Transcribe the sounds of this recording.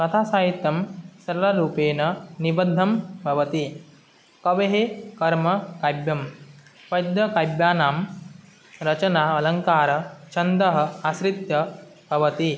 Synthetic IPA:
kɐt̪ʰaːsaːɦit̪jɐmsɐɾɐlɐɾuːpeːnɐnibɐd̪ʱːɐmbʱɐʋɐt̪i | kɐʋeɦekɐɾmɐkaːjbjɐm | pɐjd̪jɐkajbjaːnaːm | ɾɐt͡ʃɐnaːɐlɐŋkaːɾɐt͡ʃɐnd̪ɐɦɐ̆asɾit̪jɐbʱɐʋɐt̪i

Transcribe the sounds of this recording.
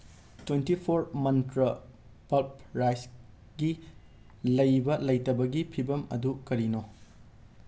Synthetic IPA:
twentipʰoɾmɐntɾɐ | pɐlpɾajs | ɡi | lɐjbɐlɐjtɐbɐɡipʰibɐmɐ̰dukɐɾino

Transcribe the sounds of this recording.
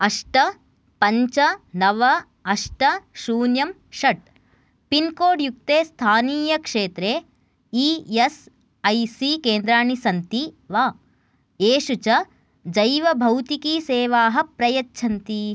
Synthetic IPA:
ɐʂʈɐ | pɐɲt͡ʃɐnɐʋɐ | ɐʂʈɐʃuːnjɐm | ʃɐʈ̚ | pinkoːɖjuk̚t̪eːst̪ʰaːniːjɐkʂeːt̪ɾeː | ijes | ɐjsikeːnd̪ɾaːɳisɐnt̪iʋaː | eːʃut͡ʃɐ | d͡ʒɐjʋɐbʱɐwt̪ikiːseːʋaːɦɐpɾɐjɐtːʃʰɐnt̪i

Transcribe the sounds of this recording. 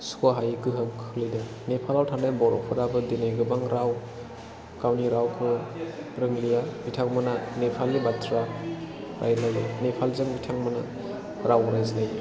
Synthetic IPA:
skoɦajkɯɦɯmkʰɯlɯjdɯ | nepʰalawtʰaŋnajbɔɾɔpʰɯɾabɯdinajɡɯbaŋɾaw | kawniɾawkʰɯɾɯŋlijabitʰakmɯnanepʰalːibatʰɾa | ɾʔa̰jlajnepʰalzɯŋbitʰaŋmɯna | ɾawɾajzlaj

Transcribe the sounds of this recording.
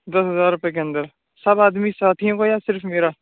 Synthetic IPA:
d̪əsɦəzaːɾːʊpjeːk̬eə̃nd̪əɾ | səbaːd̪misaːt̪ʰijõːkojaːsɪɾfʰmeːɾaː

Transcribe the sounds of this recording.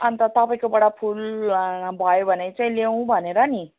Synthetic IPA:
ʌnt̪ʌt̪ʌpaĩkobʌɽapʰul | bʱʌjobʱʌnet͡saĩlew̃bʱʌneɾʌni

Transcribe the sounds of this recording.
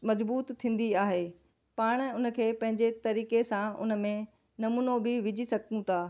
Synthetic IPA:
mɐzbuːt̪tʰːĩːn̆d̪iaːɦeː | paːɽ̃ʊnə̆kʰeːpɐ̃ɦɪ̃ɲd͡ʑet̪ɐɾiːkesãʊ̰nə̆mẽ | nɐmuːnobɪʋɪd͡ʑʱisɐɡ̚t̪ũt̪ʰaː

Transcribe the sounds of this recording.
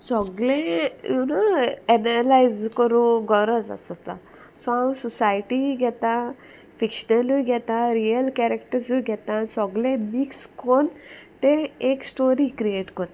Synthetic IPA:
sɔɡlejunaɛnəlajzkɔɾuɡɔɾəsa̰sɔt̪a̰ | sɔãwsɔsajʈiɡɛt̪a | fikʃnəluɡʱɛt̪aɾijəlkɛɾekʈəɾsuɡɛt̪asɔɡlemikskont̪eeksʈoɾikɾieʈkɔt̪a

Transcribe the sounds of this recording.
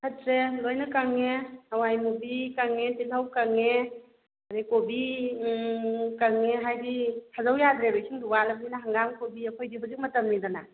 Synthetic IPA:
hʰatɾelojnakaŋeawajmubikaŋetilawkaŋe | aɾekobi | kaŋeɦajditʰazawjadɾebejsʰiŋduwalap̚ninaɦaŋɡamkobiɐkʰojdiɦuzik̚mɐtɐmnidana

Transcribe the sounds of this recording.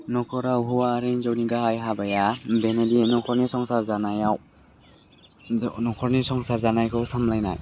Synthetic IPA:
nɔkʰɔɾaɦɔwaːɾenzɔwniɡaɦajɦabajabenadienɔkʰɔɾnisɔŋsaɾzanajaw | nɔkʰɔɾnisɔŋsaɾzanajkʰɯwsamlajna̰j

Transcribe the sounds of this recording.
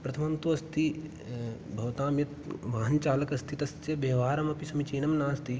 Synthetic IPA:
pɾɐt̪ʰɐmɐnt̪uɐst̪i | bʱɐʋt̪ãːmjɐt̪ʋaːɦɐnt͡ʃaːlɐkɐst̪ʰit̪ɐst̪jɐbɐːʋaːɾɐmɐpisɐmit͡ʃeːnɐmnaːɐst̪i

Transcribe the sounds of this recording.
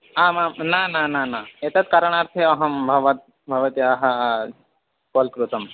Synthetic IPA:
aːmamnanananaet̪ɐt̪kɐɾəɳ̃aːɾt̪ʰeɐɦɐmbʱɐʋɐt̪̚ | bʱɐʋɐt̪jiaɦɐ | koːlkɾut̪ɐm

